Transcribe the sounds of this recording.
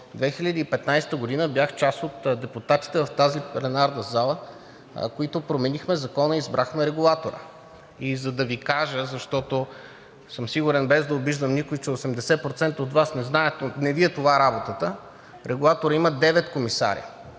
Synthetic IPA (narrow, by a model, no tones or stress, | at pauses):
d̪vɛxilʲəd̪iːpɛt̪najst̪əɡʊd̪inəbjaxt͡ʃasot̪d̪ɛpʊt̪at̪i̥t̪ɛvɐft̪azibɛlɛnaɾd̪əzalˠə̰ | koit̪ʊpɾomɛnixmɛzɐkɔnəizbɾʔaxmɛɾɛɡulˠat̪oɾə̰ | izɐd̪ɐvikaʒəzɐʃt̪ɔt̪o | sɤmsiɡʊɾɛnbɛzd̪ɐobiʒd̪əmnikʊjit͡ʃɛosɛmd̪ɛsɛpɾot̪sɛnt̪əot̪vasnɛznaɛt̪nɛviɛt̪ovaɛɾabot̪ət̪ə | ɾʔɛɡulˠat̪oɾəiməd̪ɛvɛt̪komisa̰ɾʲiə̰